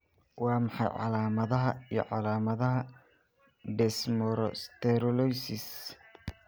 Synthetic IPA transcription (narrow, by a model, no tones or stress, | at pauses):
wɑːmɑħɑ̰jʕɑ̰laːmɐðɐɦɐijɞ̰ʕɑlaːmɐðɐɦɐ | ɖɛsmɔɾɔst̪ʰɛɾɔlɔjsɪs